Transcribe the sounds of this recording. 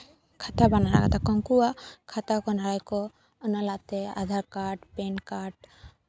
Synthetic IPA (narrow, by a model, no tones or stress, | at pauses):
kʰat̪abanala̰ɡa̰t̪akɔŋkuwakʰat̪akɔnaɾajkɔ | ənalat̪ɛa̰d̪ʱaɾkaʈpenkaʈ